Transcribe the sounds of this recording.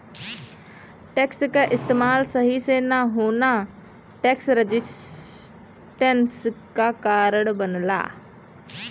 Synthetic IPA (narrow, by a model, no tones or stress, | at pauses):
ʈɛːkskaʔɪst̪eːmaːlsəɦisenaɦoːna | ʈɛksɾəd͡ʒɪ | ʈenskakaːɾəɽbənla̰ː